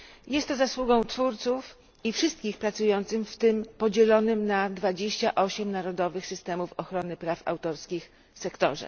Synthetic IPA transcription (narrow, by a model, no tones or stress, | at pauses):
jɛst̪ːɔzaswuɡɔ̃w̃t̪fuɾt̪suf | ifʂɘst̪̚kʲixpɾat̪sujɔnt̪sɘmft̪ɘmpɔd͡ʑɛlɔnɘmnad̪vad͡ʑeɕt͡ɕaʔɔɕɛmnaɾɔd̪ɔvɘxsɘst̪ɛmufɔxɾɔnɘpɾafa̰wt̪ɔɾskʲix | sɛkt̪ɔ̰ʐɛ̰